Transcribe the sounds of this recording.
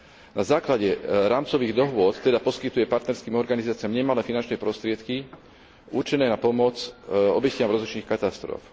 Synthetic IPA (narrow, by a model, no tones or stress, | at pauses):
nazaːklaɟɛɾaːmt͡sɔʋiːɣd̪ɔɦʋʊɔt̪t̪ːɛd̪apɔskit̪ujɛpaɾt̪nɛɾskiːmɔɾɡanizaːt͡sɪamɲɛmalɛːfinant͡ʃnɛjpɾɔst̪ɾɪɛt̪ki | uɾt͡ʃinɛːnapɔmɔt͡sɔ̰bɛcɪamɾɔzlit͡ʃniːxkat̪ast̪ɾɔ̰f